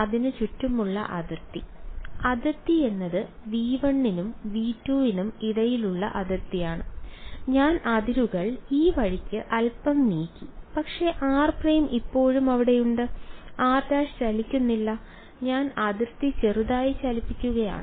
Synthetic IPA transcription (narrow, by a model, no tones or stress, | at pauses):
ɐðinɨt͡ɕutːumuɭːɐ̰ʔɐðirt̪iɐðirt̪ie̞nːɐðɨ | ʋiːʋɐɳːinumʋiːtːuːʋinumiɽɐjiluɭːɐ̰ʔɐðirt̪ijaːɳɨɲaːnɐðiɾuɣɐɭiːʋɐɻikʲːɨʔɐlpɐmniːkʲːipɐkʂe̞ʔaːrprejmʔipːo̞ːɻumɐʋiɽe̞juɳɖɨaːrd̪aːʂt͡ɕɐlikʲːunːilːɐ | ɲaːnɐðirt̪it͡ɕeruðaːjit͡ɕɐlipːikʲːuɣɐja̰ːɳɨ